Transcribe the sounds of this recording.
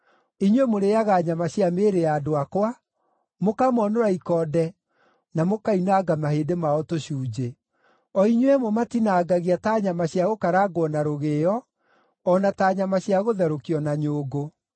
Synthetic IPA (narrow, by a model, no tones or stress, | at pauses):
iɲwemoɾejaɣaːɲamaɕjameːɾeadoakowa | mokamɔnoɾaikɔdɛ | namokainaːɡamahedemaɔtoɕuːd͡ʑe | ɔiɲwɛmomatinaːɡaɣiataːɲamaɕjaɣokaɾaːɡwɔnaɾoɣeɔ | ɔnataɲamaɕjaɣoðɛɾokiɔnaɲoːɡo